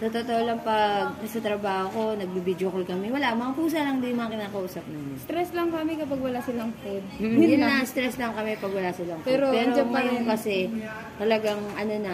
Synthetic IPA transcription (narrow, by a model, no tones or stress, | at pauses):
t̪ot̪ot̪oʔolɐŋpɐɡ̪̚ɐsɐt̪ɾɐbaːhoko̞nɐɡ̚bibid͡ʒokolkɐmɛwɐlaʔmɐŋapuːs̬ɐlɐŋd̪imɐŋakɪnaːkɐʔuːsɐp̚naːmɪst̪ɾɛslɐŋkɐmɛkɐpɐɡwɐlasɪlɐŋfod̪̚ɪɪnɐst̪ɾɛslɐŋkɐmɛpɐɡwɐlasɪlɐŋppɛɾopɛːɾod͡ʒapɐjoŋkɐsɛ | t̪ɐlɐɡaŋʔɐno̞nɐ